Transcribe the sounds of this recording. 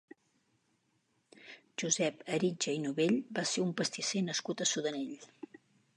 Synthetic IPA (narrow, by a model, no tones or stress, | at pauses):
ʒuzɛpəɾid͡ʒəinuβeʎbaseumpəst̪isenəskut̪əsuðəneʎ